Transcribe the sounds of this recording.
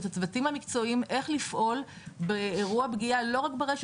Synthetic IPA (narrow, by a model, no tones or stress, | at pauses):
t̪at͡svatimhamikt͡so̞imʔe̞χlifʔo̞l | beːʁuabɡialo̞ʁakbeʁeʃ